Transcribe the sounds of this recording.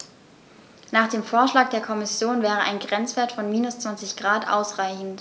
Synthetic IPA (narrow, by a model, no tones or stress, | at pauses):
naːχd̥eːmfoːɐʃlaːk̚d̥eːɐkʰɔmɪsjoːnvɛːʁəʔa̰ɪnɡʁɛnt͡sv̥eːɐtfɔnmiːnʊst͡sv̥ant͡sɪçɡ̥ʁaːtʔa̰ʊsʁ̥aɪçn̩t